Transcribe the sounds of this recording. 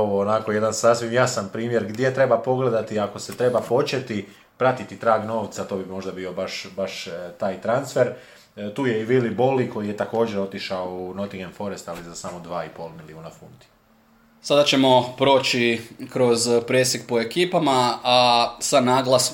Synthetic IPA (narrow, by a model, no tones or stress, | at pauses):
oʋoːnako̞je̞d̪ansasʋimjasanpɾiːmje̞ɾɡd̪je̞t̪ɾe̞bapo̞ɡle̞d̪at̪iako̞se̞t̪ɾe̞bapo̞t͡ʃe̞t̪i | pɾat̪it̪it̪ɾaːɡno̞ːʋt̪sat̪o̞ːbimo̞ʒd̪abio̞baʃbaʃt̪aːjt̪ɾansfe̞ɾ | t̪uːje̞iʋiliboliko̞jije̞t̪ako̞ːd͡ʒeɾo̞t̪iʃaouno̞t̪iɡenfo̞ɾe̞st̪alizasamo̞d̪ʋaːipo̞lˠmiliuːnafunt̪i̥ | sad̪at͡ʃe̞mo̞pɾoːt͡ʃikɾo̞zpɾesekpo̞e̞kiːpamaasanaːɡlˠas